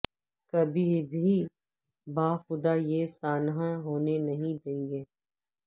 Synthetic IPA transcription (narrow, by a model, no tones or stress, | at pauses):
kɐbʱibʱi | baːxʊd̪ajesaːnɦãɦoːnenɐɦĩd̪ẽːŋɡeː